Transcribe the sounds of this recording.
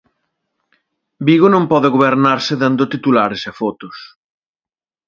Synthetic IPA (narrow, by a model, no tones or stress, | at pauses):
biɣonõmpɔðɪɣoβeɾnaɾsɪðand̪ʊt̪it̪ulaɾesefɔt̪ʊs